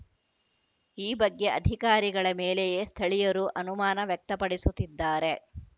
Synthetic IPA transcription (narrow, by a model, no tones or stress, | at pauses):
iːbɐɡːe̞ʔɐd̪ʱikaːɾiɡɐɭɐmeːlejest̪ʰɐɭijɐɾuʔɐnumaːnɐʋjɛk̚t̪ɐpɐɽisut̪ːid̪ːaːɾe̞